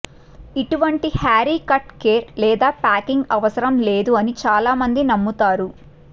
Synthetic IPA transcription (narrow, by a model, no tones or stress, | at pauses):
iʈuʋɐɳʈihaːɾiːkɐʈkeːɾlɛːd̪aːpaːkiŋɡɐʋɐsɐɾɐmleːd̪uɐnit͡ʃaːlaːmɐnd̪inɐmːut̪aːɾu